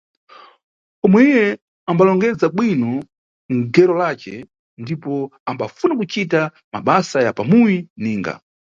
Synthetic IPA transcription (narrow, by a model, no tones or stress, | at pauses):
ɔmwɛijɛ | ambalɔŋɡɛd͡zaɓwinɔ | ŋ̩ɡɛɾɔlaːt͡ʃɛ | ndipɔambafunakut͡ʃita | ma̰ɓasajapamujiniːŋɡa̰